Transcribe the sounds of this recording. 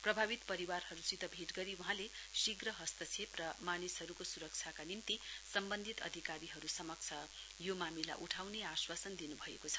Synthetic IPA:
prʌbʱabit̪pʌɾiwarɦʌɾusit̪ʌbʱeʈɡʌɾiuɦãlesiɡrʌɦʌst̪ʌt͡sʰeprʌmanisɦʌɾukosuɾʌk̚t͡sʰakanimt̪isʌmbʌnd̪ʱit̪ʌ̰d̪ʱikaɾiɦʌɾusʌmʌk̚t͡sʰʌ | jomamila̰ʔuʈʰawneaswasʌnd̪inubʱʌḛkot͡sʰʌ̥

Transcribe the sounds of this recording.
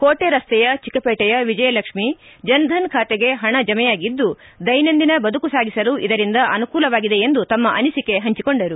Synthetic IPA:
koːʈeɾɐst̪ɛjɐt͡ʃikɐpɛːʈɛjɐʋid͡ʒɐjɐlɐkʂmi | d͡ʒɐnd̪ʱɐnkʰaːt̪eɡe̞ɦɐɳɐd͡ʒɐmɛjaːɡid̪ːu | d̪ɐjnɐnd̪inɐbɐd̪ʱukusaːɡʱisɐluʔid̪ɐɾind̪ɐʔɐnukuːlɐʋaːɡid̪e̞ːnd̪ut̪ɐmːɐʔɐnisike̞ɦɐɲt͡ʃikoɳɖɐɾu

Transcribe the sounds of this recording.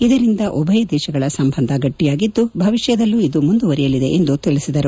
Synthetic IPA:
id̪ɐɾind̪ɐʔɔbʱɐjɐd̪ɛːʃɐɡɐɭɐsɐmbʱɐnd̪ʱɐɡɐʈːijaːɡid̪ːubʱɐʋiʃjɐd̪ɐlːuid̪umund̪uʋɐɾijɐlid̪e̞ʔend̪ut̪iɭisid̪ɐɾu

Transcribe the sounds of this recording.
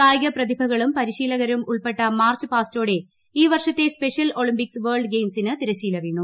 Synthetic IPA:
aːjɣɐprɐd̪ibʱɐɣɐɭumpɐɾiɕiːlɐɣɐɾɐmuɭpe̞ʈːɐmaːrt͡ɕɨpaːsto̞ːɽe̞ | iːʋɐrʂɐt̪ːe̞spe̞ʂijɐlo̞ɭimpiksʋeːrɭɖɡejmsinɨt̪iɾɐɕiːlɐʋeːɳːu

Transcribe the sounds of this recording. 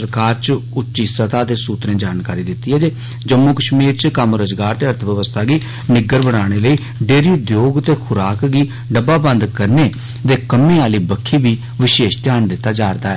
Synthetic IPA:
əɾkaːɾt͡ʃʊtːt͡ʃiːsət̪aːd̪eːsuːt̪ɾẽːd͡ʒaːnkaːɾiːd̪ɪt̪ːiːɦɛːd͡ʒeː | d͡ʒəmːuːkəʃmiːɾt͡ʃkəmɾəzɡaːɾt̪eːəɾt̪ʰʋəʋəst̪ʰaːɡiː | nɪɡəɾbəɽaːɽ̃eːləiː | ɖeːɾiːd̪joːɡt̪eːkʰʊɾaːkɡiː | ɖəbaːbə̃nd̪kəɾneː | t̪eːkəmːẽːaːliːbəkʰːiːbiː | ʋɪʃeːʃt̪jaːnd̪ɪt̪ːaːd͡ʒaːɾd̪aːɛː

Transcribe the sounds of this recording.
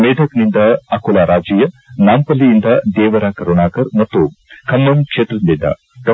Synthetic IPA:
meːɖ̪ʱɐknind̪ɐɐkulaːɾaːd͡ʒijɐnaːmpɐlːiːnd̪ɐd̪eːʋɐɾakɐɾonaːkɐɾnɐt̪ːokʰɐmːɐmkʂeːt̪ɾɐnd̪ind̪ɐ̰ | d̪ɐ

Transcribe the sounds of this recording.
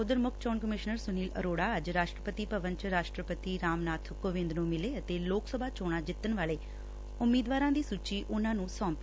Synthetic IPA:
ʊd̪əɾmʊkʰt͡ʃɔːnkəmɪʃnəɾsʊniːlə̰ɾoːɽaːəd͡ʒɾaːʃʈɾəpət̪iːpəʋənt͡ʃɾaːʃʈɾəpət̪iːɾaːmnaːt̪ʰkoʋɪ̃nd̪nũːmɪleːət̪eːloːksəbʱaːt͡ʃoːɽ̃aːd͡ʒɪt̪ːənʋaːɭeː | ʊmːiːd̪ʋaːɾãːd̪iːsuːt͡ʃiːʔʊnãːnũːsɔ̃ːmpː

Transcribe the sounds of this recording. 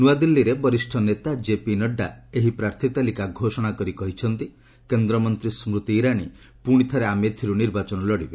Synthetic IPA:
nuwad̪ilːiɾebɔɾisʈʰɔnet̪ad͡ʒepinɔɖːaeɦipɾaɾt̪ʰit̪alikaɡʱosɔɽ̃akɔɾikɔɦit͡ʃʰɔnt̪i | kend̪ɾɔmɔnt̪ɾismɾut̪iːɾaɽ̃i | puɽ̃it̪ʰɔɾeamet̪ʰiɾuniɾbat͡ʃɔnɔlɔɽibe

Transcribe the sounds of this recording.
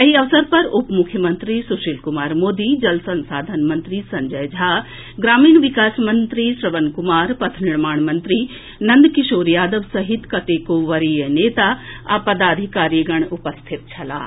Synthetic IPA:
ɐɦiɐʋsɐɾpɐɾʊpmʊkʰjəmɐ̃nt̪ɾisuʃilkʊmaːɾmoːd̪id͡ʒɐlsɐ̃nsaːd̪ʱɐnmɐ̃nt̪ɾisɐɲd͡ʒɐjd͡ʒʱaː | ɡɾaːmiːɳʋɪkaːsmɐnt̪ɾiʃɾɐʋənkʊmaːɾpɐt̪ʰnɪɾmaːɳ̃mɐnt̪ɾiː | nɐ̃nd̪kɪʃoːɾjaːd̪əʋsɐɦɪt̪kɐt̪eːkoːʋɐɾijəneːt̪aːapɐd̪aːd̪ʱikaːɾiɡɐɳ̃ʊpɐst̪ʰit̪̚t͡ʃʰɐla̰ː

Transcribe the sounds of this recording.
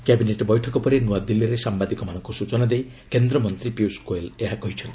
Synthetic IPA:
kɛbineʈbɔjʈʰɔkɔpɔɾinuad̪ilːiɾesambad̪ikɔmanɔŋkusut͡ʃɔnad̪ej | kend̪ɾɔmɔnt̪ɾipiuskoeleɦakɔɦit͡ʃʰɔnt̪i

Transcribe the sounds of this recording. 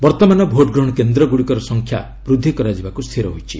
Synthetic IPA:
bɔɾt̪ɔmanɔbʱoʈɡɾɔɽ̃ɔkend̪ɾɔɡuɽikɔɾɔsɔŋkʰja̰ | bɾud̪ʱːikɔɾad͡ʒibakust̪ʰiɾɔɦojt͡ʃʰi

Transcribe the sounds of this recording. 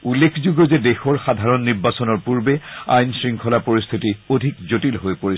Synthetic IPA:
ulːekʰzuɡɔzɛdexɔɹxadʱaɹɔnːiɹbasɔnɔɹpuɹbea̰jnsɹiŋkʰɔlapoɹist̪ʰitiodʱikzotilɦojpoɹi

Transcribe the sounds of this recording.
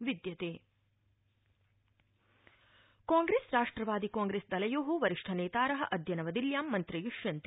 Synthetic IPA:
ʋid̪jɐt̪eː | kaːŋɡɾeːsɾaːʂʈɾɐʋaːd̪ikaːŋɡɾeːsd̪ɐlɐjoːɦuʋɐɾiʂʈʰɐnɛːt̪aːɾɐɦɐ̆ʔɐd̪ʱjɐnɐʋɐd̪iljaːmːɐnt̪ɾijuʂjɐnt̪

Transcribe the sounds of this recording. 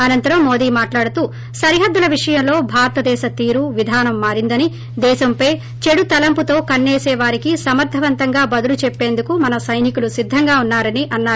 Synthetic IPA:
ɐnɐnt̪ɐɾɐmːoːd̪iːmaːʈlaːɽut̪uː | sɐɾiɦɐd̪ːulɐʋiʂɐjɐmlo̞ːbʱaːɾɐt̪ɐd̪ɛːʃɐt̪iːɾuʋid̪ʱaːnɐmːaːɾind̪ɐni | d̪ɛːʃɐmpɐj | t͡ʃe̞ɽut̪ɐlɐmput̪o̞ːkɐnːɛːsɛːʋaːɾikisɐmɐɾt̪ʰɐʋɐnt̪ɐŋɡaːbɐd̪ulut͡ʃɛpːeːnd̪ukumɐnɐsɐjnikulusid̪ʱːɐŋɡaːunːaːɾɐniʔɐnːaːɾu

